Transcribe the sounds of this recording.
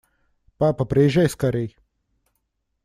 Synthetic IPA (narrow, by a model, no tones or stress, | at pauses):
paːpɐpɾejʒʲajskɐɾʲej